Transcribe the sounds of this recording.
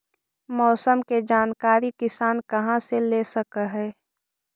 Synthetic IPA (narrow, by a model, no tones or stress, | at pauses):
mɔːsəmked͡ʒaːnkaːɾikɪsaːnkɐɦãseleːsəkəɦɛː